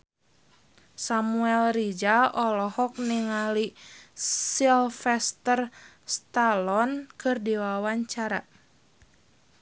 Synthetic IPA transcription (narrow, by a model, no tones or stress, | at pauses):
samuɛlrid͡ʒaɔlɔhɔk̚niŋali | silfɛst̪ər | st̪alɔnkɨrdiwawaɲt͡ʃaɾa̰